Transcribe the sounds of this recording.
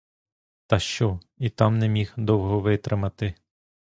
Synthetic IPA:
t̪ɐʃt͡ʃɔ | it̪ɑmnɛmʲixd̪ɔwɦɔʋɪt̪ɾɪmɐt̪ɪ

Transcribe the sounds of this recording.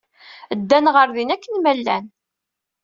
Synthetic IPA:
əd̪ːænʁəɾðinækːənmælːæ̰n

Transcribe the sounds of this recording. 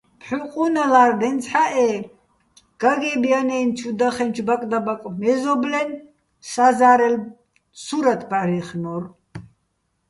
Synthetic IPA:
pʰħuqʼunalaːɾd̪ɛnt͡sʰħaʔɛ | ɡ̥aɡɛbijanɛjnt͡ʃʰud̪aχɛnt͡ʃʰbakʼd̪abakʼmɛzɔblɛn | sazaɾɛl | suɾat̪ʰbarɛχnɔɾ

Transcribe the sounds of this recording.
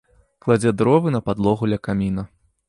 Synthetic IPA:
klˠad͡zʲɛd̪ɾɔvɨnɐpad̪lˠɔɣulʲɐkamʲinɐ

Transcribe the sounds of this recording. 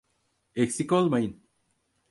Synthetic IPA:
eksikolmain

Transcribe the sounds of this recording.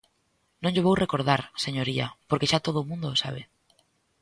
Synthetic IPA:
nõŋʎeβ̞owrʔekoɾðaɾseɲoɾiɐ̰poɾkeʃat̪oð̞oːmũnd̪oːsa̰β̞ɪ

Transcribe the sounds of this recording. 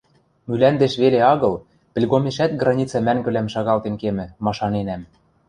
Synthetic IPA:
mylænd̪eʃβeleɑɣɤ̆l | pɘ̆lʲɣomeʃæt̪̚ɡrɑnʲit͡sɑmæŋɡɘ̆læmʃɑɣɑlˠt̪enkemɘ̆mɑʃɑnenæm

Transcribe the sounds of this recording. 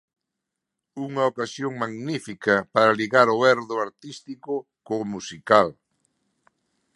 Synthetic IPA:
uŋɐokasjoŋmaɣnifikɐpaɾaliɣaɾoɛɾðʊaɾt̪ist̪ikʊ | komusikal

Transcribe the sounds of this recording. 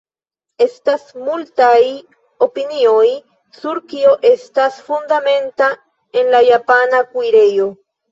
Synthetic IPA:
e̞stasmultaj | o̞pinio̞j | suɾkio̞ʔe̞stasfundame̞nta | e̞nlajapanakujɾe̞jo̞

